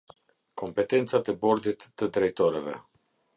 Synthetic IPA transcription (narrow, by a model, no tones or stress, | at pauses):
ko̞mpet̪ent̪sad̪ebord̪it̪t̪əd̪ɾeit̪oɾelḛ